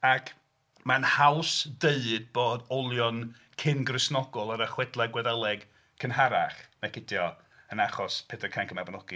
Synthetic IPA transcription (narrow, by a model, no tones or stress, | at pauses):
akʰ | manhawsd̥eɨd̚boːdɔlˠjɔn | kʰɪnɡrɪsnɔɡɔlˠaɾəχwɛdlˠɛɡwɛðɛlˠɛɡ | kʰənɦaɾaχnakʰɪdjɔ | ənaχɔspʰɛdəkʰaŋkʰəmabɔnɔɡ̥i